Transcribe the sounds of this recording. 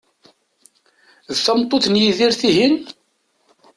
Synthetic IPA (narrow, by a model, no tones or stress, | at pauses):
ðθəmt̪ˤːoθnjiðiɾθiɦin